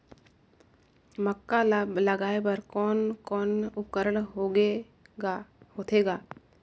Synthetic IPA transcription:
məkːalabləɡaːebəɾkɔːnkɔːnʊp̚kəɾəɽɦoɡe | ahoːt̪ʰeɡaː

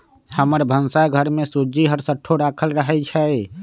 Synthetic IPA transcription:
həməɾbʱənsaɡʱəɾmesud͡ʒiɦəɾsəʈʰːoɾakʰəlɾəɦɛt͡ʃʰɛ

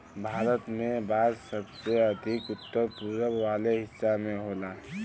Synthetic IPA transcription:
bʱaːɾət̪mẽbaːd̪səbseɐd̪ʱɪkʊt̪ːəɾpuɾəbʋaːleɦɪsamẽɦoːlaː

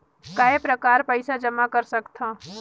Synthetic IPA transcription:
kaːepɾəkaːɾpəɪsad͡ʒəmakəɾsəkt̪ʰãː

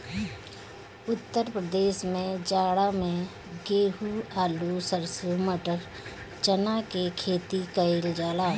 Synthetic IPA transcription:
ʊt̪ːəɾpɾəd̪eːʃmẽd͡ʒaːɽamẽ | ɡeːɦuaːlusəɾsuməʈəɾ | t͡ʃənakekʰeːt̪ikəɪld͡ʒaːlaː

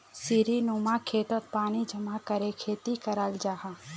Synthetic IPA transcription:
siːɾinuːmakʰeːt̪ət̪̚paːnid͡ʒʱɐmakəɾekʰeːt̪ikɐɾaːld͡ʒaːɦaː

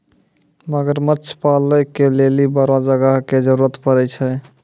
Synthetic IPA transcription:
məɡəɾməːt͡ʃʰpaləjkelelibəɾad͡ʒəɡəɦked͡ʒəɾuɾət̪pəɾɛt͡ʃʰɛ

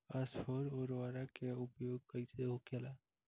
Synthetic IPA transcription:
aspʰoɾoːɾʋaɾakeʊpjoːɡ̚kəɪseɦokela

